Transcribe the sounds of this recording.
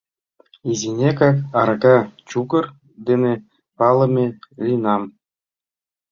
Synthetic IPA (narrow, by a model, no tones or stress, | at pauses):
izʲinʲekɑkɑɾɡɑt͡ɕuɡɤ̆r | d̪ʲenʲĕ | pɑlˠɤ̆mʲĕlʲinɑm